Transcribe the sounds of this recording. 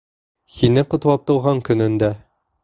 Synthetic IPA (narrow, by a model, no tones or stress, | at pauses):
hinɘqŏt̪wɑp̚t̪ŏlˠʁɑɴkɵ̆nɘ̆nd̪æ